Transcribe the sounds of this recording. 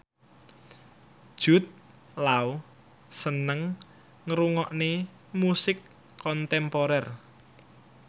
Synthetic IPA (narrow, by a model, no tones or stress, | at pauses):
ʒ̥ṳt̪̚ | lau | sənəŋ | ŋəɾuŋɔʔne | musɪkʰː | ɔnt̪ɛmpoɾɛr